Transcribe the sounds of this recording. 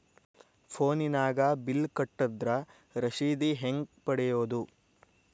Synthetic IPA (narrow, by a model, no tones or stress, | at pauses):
pʰoːninaːɡɐbilkɐʈːɐd̪ɾɐ | ɾɐʃiːd̪iɦeŋɡpɐɽɛjoːd̪u